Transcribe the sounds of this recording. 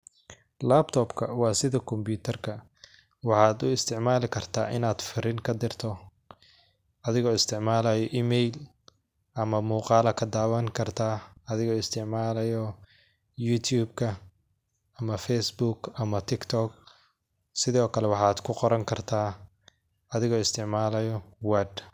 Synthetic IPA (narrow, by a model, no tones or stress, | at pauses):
laːbt̪ʰɔːbkʰɐwɑːsɪðɐkʰɔmpʰuːt̪ʰɐrkʰɐ | wɑħɑːd̪ʊɪst̪ʰɪʕmaːlɪkʰɐrt̪ʰaːʔɪnaːd̪fɪɾɪŋkʰɐd̪ɪrt̪ʰɔ | ʔɐðɪɣɔːɪst̪ʰɪʕmaːlɐjɔʔiːmɛjl | ʔɐmɐmuːqɑːlɐkʰɐd̪aːwɐŋkʰɐrt̪ʰaːɐðɪɣɔːɪst̪ʰɪʕmaːlɐjɔ | juːt̪ʰjuːbkʰɐ | ɐmɐfɛjsbukɐmɐt̪ʰɪkt̪ʰɔk | sɪðɔːkʰɐlɛwɑħɑːd̪̥kʰʊqɔɾɐŋkʰɐrt̪ʰaː | ɐðɪɣɔːɪst̪ʰɪʕmaːlɐjɔwɛd̪